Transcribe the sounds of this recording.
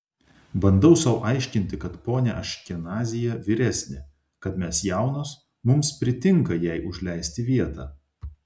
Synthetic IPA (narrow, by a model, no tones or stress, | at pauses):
bɐnd̪ɐʊsɐʊʔɐˑɪʃʲkʲɪnʲt̪ʲɪkɐt̪poːnʲɛʔɐʃʲkʲɪnɑːzʲɪjɛʋʲɪɾʲæsʲnʲɪ | kɐt̪mʲɛsjɛˑʊnos | mʊmspʲɾʲɪt̪ʲɪŋkɐjɛɪʔʊʒʲlʲɛɪsʲt̪ʲɪʋʲiɛt̪ɑː